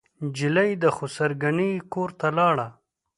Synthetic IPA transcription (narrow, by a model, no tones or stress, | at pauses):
d͡ʒɪlajd̪əxosaɾɡanijkoɾt̪alɑɽa